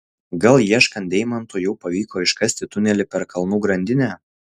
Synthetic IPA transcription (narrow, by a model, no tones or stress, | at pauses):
ɡɐlˠjiɛʃkɐnt̪d̪ʲɛɪmɐnt̪ujɛʊpɐʋʲiːkoːɪʃkɐsʲt̪ʲɪt̪ʊnʲɛlʲɪpʲɛɾkɐlˠnuːɡɾɐnʲd̪ʲɪnʲæː